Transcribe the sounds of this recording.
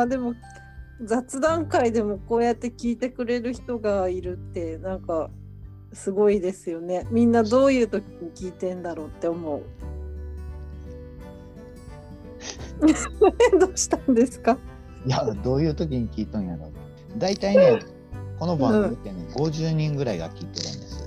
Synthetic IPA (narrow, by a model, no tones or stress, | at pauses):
mad̪e̞mo̞ | d͡zat͡sɨd̪ãŋkaid̪e̞mo̞ko̞ːjat̪ːe̞kʲiːt̪e̞kɯ̟ɾe̞ɾɯ̟çi̥t̪o̞ɡaiɾɯ̟t̪ːe̞nãŋka | sɨɡo̞id̪e̞sɨjo̞ne̞mʲĩnːad̪o̞ːjɯ̟ːt̪o̞kʲiɲ̟ikʲiːt̪ẽ̞nd̪aɾo̞ːt̪ːe̞omo̞ɯ̟ | d̪oːɕi̥t̪ãnd̪e̞sɨ̥ka | jad̪o̞ːjɯ̟ːt̪o̞k̬ʲiɲ̟ikʲiːt̪ãɰ̃jaɾo | d̪ait̪aine | ko̞nobõɯt̪eɲiɡo̞ʑɨːɲ̟ĩŋɡɯ̟ɾaiɡa̰kʲiːt̪eɾɯ̰̃nd̪esɨ̥